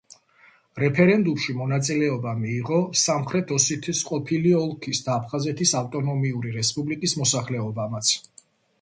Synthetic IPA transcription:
ɾɛpʰɛɾɛnd̪umʃimɔnat̪sʼilɛɔbamiːʁɔsamχɾɛt̪ʰɔsit̪ʰisqʼɔpʰiliɔlˠkʰisd̪aːpʰχazɛt̪ʰisaft̪ʼɔnɔmiuɾiɾɛspʼublikʼismɔsaχlɛɔbamat̪sʰ

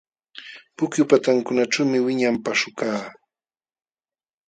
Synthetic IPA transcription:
pʊkjʊpat̪aŋkʊnaʈ͡ʂawmɪwɪɲampaʃʊkaː

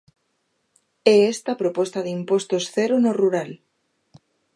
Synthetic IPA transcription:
ɛest̪apɾopɔst̪aðimpost̪osθeɾonoruɾal

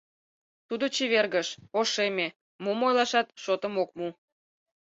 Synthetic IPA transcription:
t̪ud̪ot͡ɕiβerɣəʃoʃeme | mumojlɑʃɑt̪ʃot̪əmok̚mu

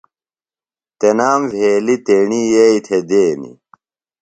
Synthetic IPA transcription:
t̪enaːmvʱeːlit̪eɳijeːit̪ʰed̪eːnḭ

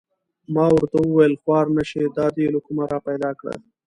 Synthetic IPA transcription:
mɑwaɾt̪awəwajəlxwɑːɾnəʃed̪ɑd̪elokumaɾɑpajd̪ɑkɽə̰

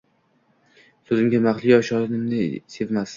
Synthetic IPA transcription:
sɵzɪmɡʲamaχlˠɪjɒʃɒɾɪnɪmnɪse̞vmas

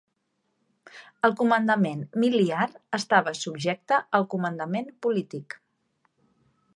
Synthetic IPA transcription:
əlˠkumənd̪əmenmiliaɾəst̪aβ̞əsubʒɛk̚t̪əəlˠkumənd̪əmenpulit̪ik

